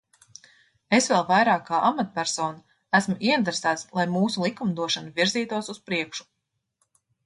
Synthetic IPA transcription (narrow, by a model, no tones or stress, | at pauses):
esvɛlˠvajɾaːkːaːʔamat̪̚pæɾsɔːna | æsmuʔiint̪ɾesæːt̪slˠajmuːsulˠikumd̪uɔʃanuviɾziːt̪uɔsuspɾiɛkʃu̥